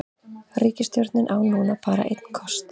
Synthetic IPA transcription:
riːcɪst̪jɔɾt̪nɪnʔawnuːnapaːɾa̰ʔḛjt̪̚n̥kʰɔst̪

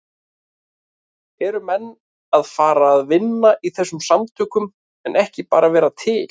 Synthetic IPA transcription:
ɛɾʏmɛnː | aðfaːɾaːðvɪnːaʔiθɛsːʏmsamt̪ʰʏːkʏm | ɛnʔɛhcɪpaːɾavɛːɾat̪ʰɪːl

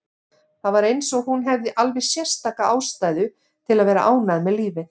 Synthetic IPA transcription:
θaðvaɾejnsɔɣhunɦɛvðɪʔalvɛsjɛr̥st̪aːkaaːwst̪aːjðʏ | t̪ʰɪlaðvɛːɾa̰ʔaːwnaðmɛðliːvɪ

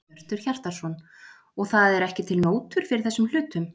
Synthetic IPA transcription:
r̥t̪ʏɾ̥çar̥t̪aɾ̥sɔn | ɔɣθaðɛɾɛhcɪt̪ʰɪlnoːwt̪ʏɾ̥fɪɾɪɾ̥θɛsːʏml̥ʏːt̪ʏm

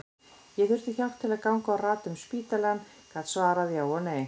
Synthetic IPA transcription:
jɛθʏɾ̥t̪ɪçawht̪ʰːɪlaðkawŋkaːwraːt̪ʏmspiːt̪alankʰaðsvaːɾaðjaːwɔneːj

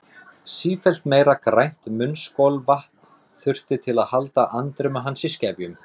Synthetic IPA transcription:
siːfɛl̥t̪mejɾakɾajn̥t̪mʏnskowlvaht̪n | θʏr̥t̪ɪt̪ʰɪlaðhalt̪aʔant̪ɾʏmaɦansɪscɛːvjʏm

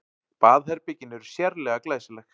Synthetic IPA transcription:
paːðhɛɾpɪcɪnːʏɾ̥sjɛɾlɛɣaklɛsɪlɛx

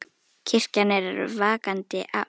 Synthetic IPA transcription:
cʰɪr̥canːɛɾvaːkant̪ɪʔa̰

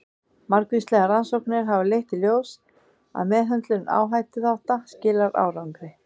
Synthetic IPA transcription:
maɾkvist̪lɛːɣaɾansowknɪɾɦavɪlejht̪ɪljoːws | a̰ðmɛːðɦœnt̪lʏna̰ːwɦaːjt̪ɪθawht̪ascɪːlaɾa̰ːwɾawŋkɾɪ

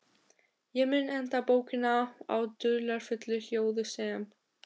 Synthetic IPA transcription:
jɛmɪnːɛnt̪apoːwcɪnaa̰wt̪ʏlaɾ̥fʏt̪lʏhjoːwðɪsɛːm

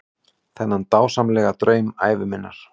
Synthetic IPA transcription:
θɛnːant̪aːwsamlɛːɣat̪ɾœːɥma̰ːjvɪmɪnːa̰ɾ̥

